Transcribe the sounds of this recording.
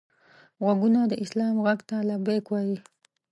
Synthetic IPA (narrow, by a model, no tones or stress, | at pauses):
ɣwaɡunad̪əʔɪslɑmɣaɡt̪alabekwaji